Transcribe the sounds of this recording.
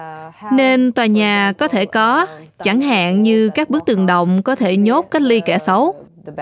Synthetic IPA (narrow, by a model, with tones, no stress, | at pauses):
ne˧nt̪waː˨˩jɲaː˨˩kɔ˨˦t̪ʰe˧˩kɔ˨˦t͡ɕa˧˩ŋɦa̰ː˧˨nɲɨ˧kaː˦˥k̚ɓɨ˦˥ək̚t̪ɨ˨˩ŋɗə̰˧˨wŋ͡mkɔ˨˦t̪ʰe˧˩ɲo˦˥t̚kaː˦˥k̚li˧kɛ˧˩sə˨˦w